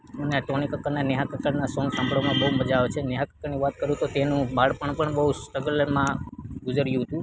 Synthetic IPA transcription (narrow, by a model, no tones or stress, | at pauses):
məneaʈɔnikəkəɾnanɛɦãkəkəɾnasɔ̃ŋɡsãmbɭomãbəɦuməd͡ʒaʋet͡ʃʰeneɦãkəkəɾniʋat̪kəɾũt̪ot̪enũbaɽpəɳpəɳbəɦusʈəɡəlmãɡʊd͡ʒəɾjũɦət̪ũ